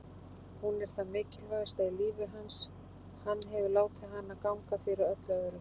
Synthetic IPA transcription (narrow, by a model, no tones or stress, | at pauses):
hunɛɾ̥θamɪːcɪlvast̪ailiːvɪɦans | hanːɦɛvʏlaːwt̪ʰaɦanːakawŋkafɪɾɪɾœt̪laðʏɾʏ